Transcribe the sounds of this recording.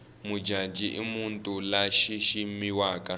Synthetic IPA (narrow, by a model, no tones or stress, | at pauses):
mud͡ʒad͡ʒiʔḭmuntʼulaʃiʃimiwaːkʼa